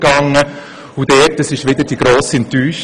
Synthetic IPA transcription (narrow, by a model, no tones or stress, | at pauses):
ɡ̥ɑŋə | ʊd̥ɛːtəsɪʃʋɪd̪ədiɡ̥ɾoːsiɛntyːʃ